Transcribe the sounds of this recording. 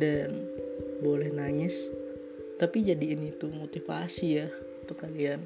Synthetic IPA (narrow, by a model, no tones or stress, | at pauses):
danbolɛhnaŋɪs | t̪apid͡ʒadiːnit̪umot̪ifa̰sijah | t̪ʊkalian